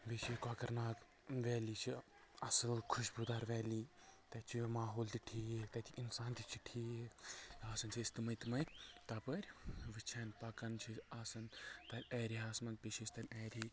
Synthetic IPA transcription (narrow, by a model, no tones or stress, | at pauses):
ʋet͡ʃʰiːkaːkɐɾnaːk | ʋɛːlit͡ʃʰi | ɐsɐlkʰuʃbud̪aːɾʋɛːliːt̪ɐt͡ʃʰimaːɦoːlt̪iʈʰiːjet̪ɐt̪ʰiʔinsaːnt̪it͡ʃʰiʈʰiːeaːsɐnt͡ʃʰist̪imɐt̪mɐjt̪ɐːpɐɾʲʋit͡ʃʰaːnʲpɐkɐnt͡ʃʰiaːsɐnt̪ɐɾʲɛːɾiaːsmɐn̚pit͡ʃʰist̪ɐnʲɛːɾʲi